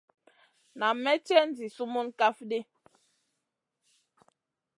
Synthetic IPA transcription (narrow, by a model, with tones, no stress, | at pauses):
na˨mɛ˦tɛ˦n˦d͡zi˨su˦mu˦nka˦fdi˦